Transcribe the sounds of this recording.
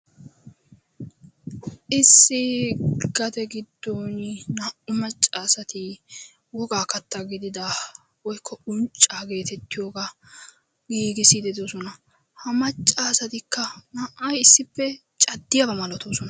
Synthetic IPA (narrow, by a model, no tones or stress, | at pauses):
ʔɪsːɪɡ̥ɐd̪ɛɡɪd̪ːoːnnɐʔʊmɐt͡ʃʼːaːsɐt̪ɪ | wɔɡaːkɐt̪ːɐɡɪd̪ɪd̪a | wɔjkʰːɔʊnt͡ʃʼːaːɡe̞ːt̪ɛt̪ːɪjoːɡa | ɡiːɡɪsid̪ɛd̪osɔnɐ | hɐmɐt͡ʃʼːaːsɐt̪ɪkːɐnɐʔʔɐjɪsːɪpːɛ | t͡ʃʼɐd̪ːɪjabɐmɐlɔt̪oːsɔnɐ